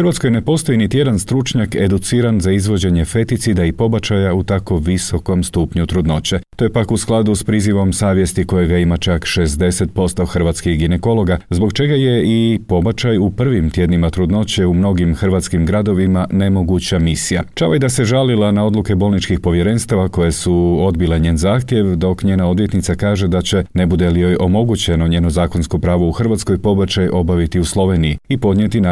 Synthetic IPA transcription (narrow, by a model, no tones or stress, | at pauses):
xɾʋat̪sko̞jne̞po̞st̪o̞init̪ije̞d̪anst̪ɾut͡ʃɲake̞d̪ut̪siːɾanzaizʋo̞d͡ʑe̞ɲe̞fe̞t̪it̪sid̪aipo̞bat͡ʃajaut̪ako̞ʋiso̞ko̞mst̪uːpɲut̪ɾud̪no̞t͡ɕe̞t̪o̞je̞pakusklˠad̪uspɾiːziʋo̞msaːʋje̞st̪iko̞jeɡaimat͡ʃakʃe̞zd̪e̞set̪̚po̞st̪o̞xr̩ʋat̪skixɡine̞ko̞lo̞ɡazbo̞kt͡ʃe̞ɡaje̞ipo̞bat͡ʃajupr̩ʋimt̪je̞d̪nimat̪ɾud̪no̞t͡ɕeumno̞ɡimxr̩ʋat̪skimɡɾad̪o̞ʋimane̞mo̞ɡut͡ɕamisija̰t͡ʃa̰oid̪ase̞ʒalilanao̞d̪luke̞bo̞lˠnit͡ʃkixpo̞ʋje̞ɾe̞nst̪aʋako̞jesuo̞d̪bileɲe̞ːnzaːxt̪je̞ʋd̪o̞kɲe̞ːnao̞d̪ʋje̞t̪nit̪sakaːʒe̞d̪at͡ɕe̞ne̞bud̪elijojʔo̞mo̞ɡut͡ɕe̞no̞ɲe̞ːno̞zaːko̞nsko̞pɾaːʋo̞uxr̩ʋat̪sko̞jpo̞bat͡ɕajo̞baʋit̪iuslˠo̞ʋe̞nijiipo̞d̪ɲje̞t̪in